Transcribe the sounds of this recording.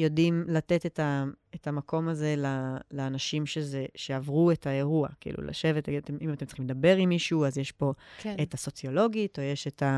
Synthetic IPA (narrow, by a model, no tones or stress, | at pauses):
jo̞dimlatetetaetamako̞maze̞lalaːnaʃimʃezeʃeavʁuetʰae̞ʁua̰kḭːlṵla̰ʃe̞vetatemimatemtt͡sḁχimled̪abe̞ʁimːiʃuazjeʃpo̞etaso̞t͡sio̞lo̞ɡitojeʃeta